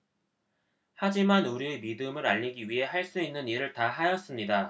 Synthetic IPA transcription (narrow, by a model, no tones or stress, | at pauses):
had͡ʑimanuɾiemidɯmɯɾaʎːiɡiɥiɦe̞ɦaɭs͈uinːɯniɾɯɭtaɦajʌs͈ɯmɲida